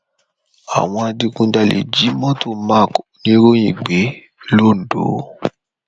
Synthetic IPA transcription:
a̰˨w̃ɔ̃˧a˧di˧kũ˧da˧lḛ˨d͡ʒi˨˦mɔ̃˦to˦mã˦˨knĩ˧˦ɾo˦j̃ĩ˨ɡ͡be˨˦ | lo˦˨n̩˨do̰˨˦

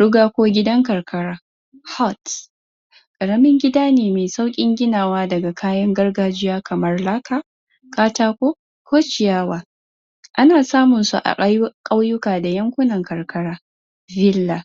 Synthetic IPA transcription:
ɽʊ˦ɡaː˦kʷoː˦ɡʲɪ˦dɐ˦ŋkɐ˨rkɐ˦ɽaː˦ | hɔ˦˨t | kʼɐ˨ɽɐ˦mɪ˦ŋɡʲɪ˦daː˦neː˨meː˨sa˦wkʲʼɪ˦ŋɡʲɪ˦naː˨waː˦dɐ˨ɡa˨kʰaː˦jɐ˦ŋɡɐ˦rɡaː˨d͡ʒɪ˦jaː˦kʰɐ˨mɐ˦rla˦kaː˦˨ | kaː˦taː˦kʷoː˦ | kʷoː˦t͡ʃɪ˨jaː˦waː˦ | ʔa˦naː˨saː˦mʊ˨nsṵ˨ʔa̰˨kʼa˦wjʊ˦kaː˨da˨jɐ˦ŋkʷʊ˦nɐ˨ŋkɐ˨rkɐ˦ɽaː˦ | vɪ˦lːa˨

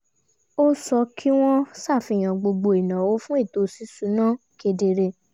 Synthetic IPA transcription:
o˦sɔ˧kʰi˦w̃ɔ̃˦sa˦˨fi˧˨j̃ã˨ɡ͡bo˧ɡ͡bo˧i˨nã˨wo˨˦fũ˦e˦˨to˨˧˦si˨˦su˨˦nãː˦˨ | ke˧de˧ɾe˧

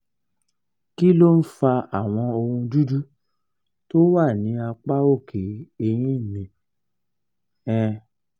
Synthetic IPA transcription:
ki˦lo˦n̩˦fa˧a˨w̃ɔ̃˧o˧ɾũ˧du˦du˦ | to˦wa˦˨nĩ˨˦a˧k͡pa˦o˦˨kʰe˨˦e˧j̃ĩ˦˨mĩ˧ | ɛ̃˦˧

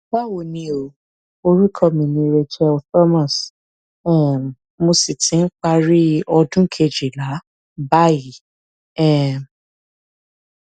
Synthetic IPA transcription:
ba˦wo˨nĩ˧o˨ | o˧ɾi˦kʰɔ˦˨mĩ˧nĩ˧˦ɾe˧tu˦ɛ˧lfa˦mã˨s | ɛ̃˦˨ | mo˧si˨tʰĩ˨˦n̩˦k͡pa˧ɾi˦ɔ˧dũ˦kʰe˧d͡ʒi˨la˨˦ | ba˦i˨˦ | ɛ̃˦˨m

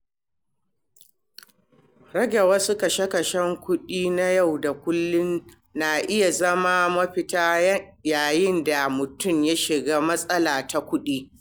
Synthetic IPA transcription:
ɾɐ˦ɡʲe˨wɐ˦su˦kɐ˨ʃɛ˦kɐ˨ʃɛ˦ŋkʷʊ˦ɗiː˦na˦ja˦˨wda˨kʷʊ˦lːʊ˦n | na˨ʔɪ˦ja˨zɐ˦ma˦mɐ˦ɸɪ˦taː˦jɐ˦jaː˨jɪ˦nda˨mʊ˨tʊ˦˨mja˦ʃɪ˨ɡaː˦mɐ˦sʼɐ˦laː˨ta˨kʷʊ˦ɗiː˦

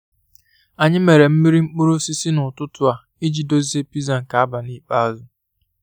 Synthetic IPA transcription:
a˨ɲɪ˦me˨ɾe˨m̩˦mi˦ɾi˦ŋ͡m̩˦k͡pu˦ɾʊ˦si˦si˦nʊ˨tʊ˦tʊ˦a˨ | i˦d͡ʒi˨do˦zi˦e˦pi˦za˨ŋ̩˨ka˨a˦ba˨ni˦k͡pa˦a˦zʊ˦

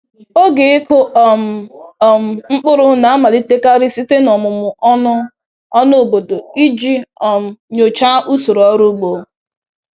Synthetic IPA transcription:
o˦ɡe˨ɪ˦kʊ˦˨m̩˨m̩˨ŋ͡m̩˦k͡pʊ˦ɾʊ˦na˨a˦ma˨li˦te˦ka˦ɾɪ˦si˦te˦nɔ˨mʊ˨mʊ˨ɔ˦nʊ˦ | ɔ˦no˦o˨bo˨do˨i˦d͡ʒi˦ɔ˨m̩˨ɲo˨t͡ʃa˦ʔu˦so˨ɾɔ˦ɾu˦ɡ͡bo˨

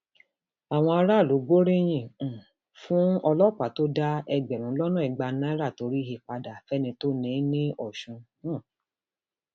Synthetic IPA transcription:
a˨w̃ɔ̃˧a˧ɾa˦˨lo˨˦ɡ͡bo˦ɾĩ˦j̃ĩ˦˨ũ˨ | fũ˦ɔ˧lɔ˦˨k͡pa˨to˦da˦ɛ˧ɡ͡bɛ˨ɾ̃ũ˨˦lɔ˦nũ˦i˨ɡ͡ba˧nã˦ɾa˦˨to˨˧ɾi˦ɦe˧k͡pa˧da˨fɛ˦nĩ˧to˦nĩ˨˦nĩ˦ɔ˦˨ʃũ˧ñ˦˨

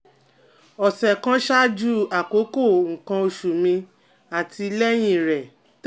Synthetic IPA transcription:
ɔ˨sɛ˨kã˦ʃa˦d͡ʒu˦a˨ko˨˦ko˦˨ŋ̩˨kã˧o˧ʃu˨mĩ˧ | a˨tʰi˧lɛ˦j̃ĩ˦˨ɾɛ˨

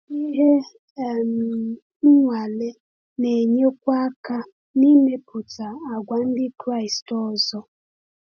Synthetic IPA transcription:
i˦ɦe˦˨ | m̩˨˦ | ŋʷa˨le˦ | ne˨ɲe˦kʷa˦ka˦ | ni˦me˦pʊ˨ta˨a˨ɡʷa˨n̩˦dɪ˦kɾa˦˨ɪ˨stɔ˦zɔ˦

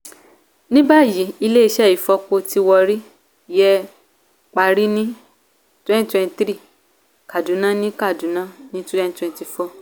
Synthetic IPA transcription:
nĩ˦ba˦˨ji˨˦i˧le˦i˧˦ʃɛ˦˨i˨˦˨fɔ˧ko˧ti˧wɔ˧ɾi˦ | jɛ˧ | k͡pa˧ɾi˦nĩ˦ | twɛ̃˦n˨˦twɛ̃˧n˧tɾi˦˨ | ka˨dũ˨˦nã˦nĩ˦ka˦˨dũ˨˦nã˦nĩ˦tɛ̃˦n˨twɛ̃˧n˨ti˧fɔ˦˨

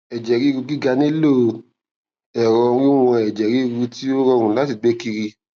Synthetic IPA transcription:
ɛ˨d͡ʒɛ˨ɾi˦˧ɾu˧ɡi˦ɡa˧nĩ˦lo˦˨˧ | ɛ˨ɾɔ̃˧ɾĩ˦w̃ɔ̃˧ɛ˨d͡ʒɛ˨ɾi˨˦˧ɾu˧˦ti˦o˦ɾɔ˧˦˧ɾ̃ũ˧˦la˨˦ti˦˨ɡ͡be˨˦ki˧ɾi˧

